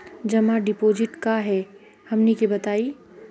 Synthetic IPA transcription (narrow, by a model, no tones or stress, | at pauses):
d͡ʒɐmaɖɪpoːd͡ʒɪʈkaɦɛ | hɐmnekebɐt̪aːi